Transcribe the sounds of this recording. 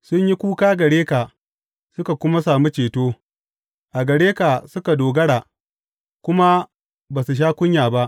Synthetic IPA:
sʊ˦ɲji˦kʷuː˦kaː˦ɡɐ˨ɽeː˦ka˨ | sʊ˦ka˨kʷʊ˦ma˦s̬aː˨mu˦t͡ʃeː˨toː˦ | ʔa˨ɡɐ˨ɽeː˦ka˨sʊ˦ka˨doː˨ɡɐ˦ɽaː˨ | kʷʊ˦ma˦ | baː˨su˨ʃ̬aː˦kʷʊ˦ɲjaː˨ba˦ʔ

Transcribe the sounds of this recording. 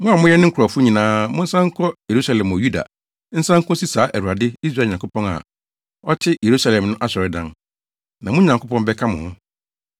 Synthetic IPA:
mʊ̃˦a˨mʊ̃˦jɛ˦nɪ̃˦ŋ̩˦kʰɔ˨fʊ˦ɲĩ˨nãː˦mʊ̃˦n̩˦sã˦ŋ̩˦kʰɔ˦je˨ɾu˦sa˨lɛ̃˨m˨ɔ˨ju˦da̰˨ | n̩˦sã˦ŋ̩˦kʰʊ̃˦si˦saː˨˦ʔæ˨hu˨a˨dɪ˦i˦s̬ɾa˨ɲã˨ŋkʰʊ˦pɔ̃˦na̰˨ | ɔ˦t͡ɕʰɪ˦je˨ɾu˦sa˦lɛ̃˨mnʊ̃˦ʔa˦sɔ˨ɾɪ˦dã̰˦n | nã˨mʊ̃˦ɲã˨ŋkʰʊ˦pɔ̃˦nbɛ˦kʰã˦mʊ̃˨hʊ̃˦

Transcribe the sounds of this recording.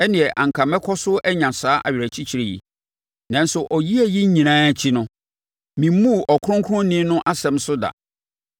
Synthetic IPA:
ɛ˦nɪ̃˨ɛ˨ʔã˨ŋ̩˨kʰa˨mɛ̃˦kʰɔ˦sʊ˦ʔɛ˦ɲã˨saː˦ʔa̰˨ɥɪ˨ɾæ˨t͡ɕʰi˦t͡ɕʰi˨ɾe˨jḭ˨ | nã˨n˦sʊ˨ʔɔ˨ji˦æ˦˨ji˦ɲ̩˦ɲĩ˨nãː˦t͡ɕʰi˦nʊ̃˦ | mĩ˨˦mũ˦˨ʔɔ˨kʰʊ˦ʊ̃˦ŋkʰʊ̃˦nĩ˦nʊ̃˦ʔa˦sɛ̃˨msʊ˦da̰˨

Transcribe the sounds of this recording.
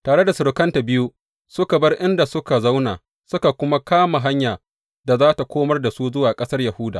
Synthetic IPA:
taː˨ɽe˦da˨sʊ˨ɾʊ˨kɐ˦nta˨bɪ˦ju˦ | sʊ˦ka˨bɐ˦rʔɪ˦nda˨sʊ˦ka˨za˦wna̰ː˨ | sʊ˦ka˨kʷʊ˦ma˦kaː˦ma˨ɦa˦ɲjaː˨ | da˨zaː˦ta˨kʷoː˦mɐ˦rda˨suː˦zʊ˦waː˨kʼɐ˦sɐ˦rja˨hʊ˦da̰ː˨

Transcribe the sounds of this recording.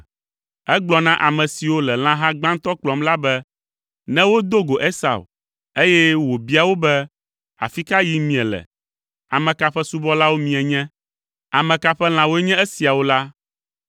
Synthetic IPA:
ɛ˦ɡ͡blɔ˨nã˦ʔa˨mɛ̃˨si˨wo˦lɛ˨l̃ã˦ɦã˦ɡ͡bã˦ŋ̩˦t̪ɔ˦k͡plɔ˨mla˦bɛ˦ | nɛ̃˦wo˦d̪o˦ɡo˨ʔe˦sa̰˨w | e˦jɛ˦wo˨bi˦a˨wo˦bɛ˦ | a̰˨fi˦ka˦ji˦mĩ˨ɛ˨lɛ̰˨ | a˨mɛ̃˨ka˨ɸɛ˦su˦bɔ˦la˦wo˦mĩ˨ɛ˨ɲɛ̃˦ | a˨mɛ̃˨ka˦ɸɛ˦l̃ã˨wo˦ɛ˦ɲɛ̃˦ɛ˦si˨a˨wo˦la˦

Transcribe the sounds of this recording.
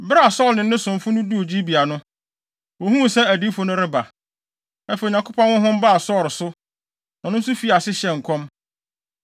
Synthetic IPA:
bɾa˦a˨sɔ˦˨lnɪ̃˨˦nɪ̃˦sʊ̃˨m˨fʊ˦nʊ̃˦du˦o˨d͡ʑi˦bi˨a˨nʊ̃˦ | wo˨hũ˦˨sɛ˦æ˨di˦fʊ˨nʊ̃˦ɾɪ˦ba˨ | a˦fe˨ɲã˨kʰʊ˦pã˦nwʊ̃˦ɦʊ̃˦m˦ba˦a˨sɔ˦˨ɾsʊ˦ | nã˨nʊ̃˦n˦sʊ˦fi˨˦a˨sɪ˦ɕɛ˨ŋ̩˨kʰɔ̃˦m

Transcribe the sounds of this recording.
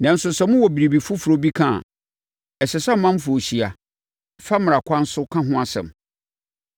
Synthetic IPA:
nã˨n̩˦sʊ˨sɛ˨˦mʊ̃˦wɔ˨bi˨ɾi˨bi˨fʊ˦fu˨ɾo˦bi˦kʰã̰˦˨ | ɛ˨sɛ˨sa˦mːã˦m˦fʊ˨o˨ɕi˨a˨ | fa˦mɪ̃˨a˨kʷʰã˦n̩˦sʊ˦kʰã˦ɦʊ̃˦a˨sɛ̰̃˨m

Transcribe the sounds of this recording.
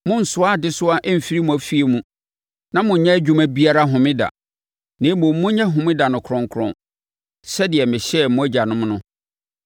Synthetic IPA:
mʊ̃˦n̩˨sʊ˦a˦dɪ˦sʊ˦a˦ʔɛ˦m̩˨fi˦ɾi˦mũ˨æ˨fi˦e˨mũ˦ | nã˦mʊ̃˨ɲ˨ɲɛ̃˦æ˦d͡ʑᶣu˦mæ˦bi˦a˦˨ɾa˦ɦʊ̃˨mɪ̃˦da̰˨ | nɪ̃˨˦mʊ̃˨˦mːʊ̃˦ɲɛ̃˦ɦʊ̃˨mɪ̃˦da˨nʊ̃˨kʰɾɔ̃˨ŋ˦kʰɾɔ̰̃˦n | sɛ˦dɪ˨ɛ˨mɪ̃˨ɕɛ˦˨mʊ̃˦æ˦d͡ʑa˨nʊ̃˦m˦nʊ̃˦

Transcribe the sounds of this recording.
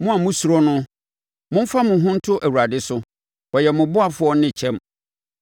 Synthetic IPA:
mʊ̃˦a˨mʊ̃˦su˨ɾɔ˦nʊ̃˦ | mʊ̃˦m̩˦fa˦mʊ̃˨ɦʊ̃˦n̩˦tʰʊ˦ʔæ˨wu˨ɾa˨dɪ˦sʊ˦ | ɔ˨jɛ˨mʊ̃˨bʊ˦a˨fʊ˦ɔ˦nɪ̃˦˨t͡ɕʰɛ̃˦˨m

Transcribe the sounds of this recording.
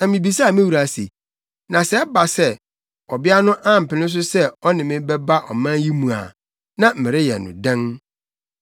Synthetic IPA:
nã˨mĩ˨bi˨sa˦˨mɪ̃˦wu˨ɾa˨sḭ˨ | nã˨sɛ˦ba˨sɛ˦ | ɔ˨bɪ˦a˦nʊ̃˦ʔa˦m̩˨pɪ˨nɪ̃˦s̬ʊ˦sɛ˦ɔ˦nɪ̃˨mɪ̃˦bɛ˦ba˦ʔɔ̰˨mã˦ji˦mũ˨a̰˨ | nã˦˨m̩˨mɪ̃˨ɾɪ˦jɛ̰˨nʊ̰̃˨dɛ̃˦n

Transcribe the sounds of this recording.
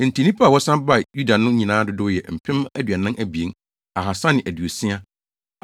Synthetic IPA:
n̩˨tʰi˨nĩ˦pʰa˦˨wɔ˦sã˦ba˦˨ju˦da˨nʊ̃˦ɲĩ˨nãː˨˦dʊ˦dʊ˦jɛ˨m̩˨pʰɪ̃˦mæ˦dɥa˨nã˦nʔæ˦bi˨ẽ˦n | a˨ɦa˨sã˦nɪ̃˨ʔæ˨du˨o˨sɪ̃˦a˦

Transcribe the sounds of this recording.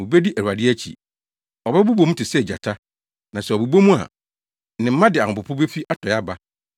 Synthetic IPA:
mũ˨be˦di˦ʔæ˨ɾu˨a˨dɪ˦æ˦t͡ɕʰḭ˨ | ɔ˨bbu˦bo˨m̩ũ˦tʰɪ˨sɛ˦˨d͡ʑa̰˨tʰa˦ | nã˨sɛ˨ɔ˨bu˨bo˦mũ˦a̰˨ | nɪ̃˨m̩˦mã˦dɪ˨a˨ʊ̃˨pʊ˨pʰʊ˦be˦fi˦ʔa˦tʰɔ˨ja˦ba˦

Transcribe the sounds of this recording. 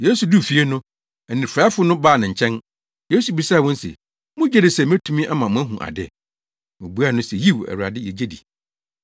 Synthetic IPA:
je˦su˨du˦˨fi˨e˦nʊ̃˦ | æ˨nɪ̃˨ɾfɾaː˨˦fʊ˦nʊ̃˦baː˦˨nɪ̃˨ɲ̩˨t͡ɕʰɛ̃˦n | je˦su˨bi˨saː˦˨wɔ̃˦n˦sɛ̰˨ | mʊ̃˦d͡ʑᶣɛ˦dɪ˨sɛ˨m˦ɛ̃˦tʰũ˦mĩ˦ʔa˦mã˨mʊ̃˦æ˦ɦũ˨ʔa̰˨dɪ̰˦˨ | mʊ̃˨bu˦a˦˨nʊ̃˦sɛ˨ji˦wɛ̰˨wu˨a̰˨dɪ˦jɛ˨d͡ʑe˦dḭ˨

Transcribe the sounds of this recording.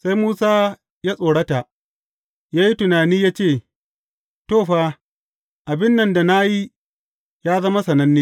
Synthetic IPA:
sa˦jmuː˦saː˦ | jaː˦sʼoː˨ɽɐ˦ta˨ʔ | jaː˦ji˦tʊ˨naː˨niː˦jaː˦t͡ʃeː˦˨ | toː˦˨ɸaː˦ | ʔa˨bɪ˦nːɐ˨nda˨na˦ji˦ | jaː˦zɐ˦ma˦sɐ˨nɐ˦nːeː˦

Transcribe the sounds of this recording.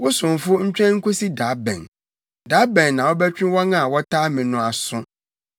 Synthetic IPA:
wɔ˦sʊ̃˨nfʊ˦ɲ̩˦t͡ɕᶣɛ̃˦ŋ̩˦kʰo˦si˦da˨˦bɛ̰̃˨n | da˨˦bɛ̃˨nːã˨wɔ˦bɛ˦t͡ɕᶣɪ̃˦wɔ˦nã˦˨wɔ˦tʰaː˦mɪ̃˨nʊ̃˦˨a˨sʊ̃˦

